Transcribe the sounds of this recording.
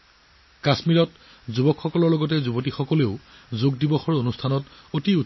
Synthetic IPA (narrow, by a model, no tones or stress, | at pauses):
kasmiɹɔt | zubɔkxɔkɔlɔɹlɔɡɔtɛzubot̬ixɔkɔleʊzoɡdibɔxɔɹonustʰanɔtotiu